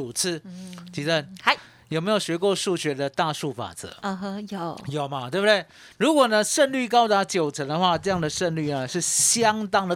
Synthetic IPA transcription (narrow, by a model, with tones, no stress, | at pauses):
u˨˩t͡s̩ʰ˥˩t͡ɕi˧˥t͡sə˥˩na˧˥˩ | jo˨˩me˧˥jo˨˩ɕɥɛ˧˥kwɔ˥˧ʂu˥˩ɕɥɛ˧˥d̪ə˧t̪a˥˧ʂu˥˩fa̰˨˩t͡sə̰˧˦˧jo˨˩jo˨˩ʊmɐ˦t̪we˥˩bu˧d̪we˥˩ɪ | ɻu˧˦˥kwɔ˨˩nə˦ʂə˥˧nly˥˨kɑ˥ʊt̪a˧˥t͡ɕjo˨˩ʊt͡sʰə˧˥nd̪ə˧xwa˥˧ʈ͡ʂɤ˥˧jɑ˥˩ŋd̪ə˩ʂə˥˧nly˥˩nə˩ʂɻ̩˥˩ɕjɑ˦ŋt̪ɑ˥ŋd̪ə˨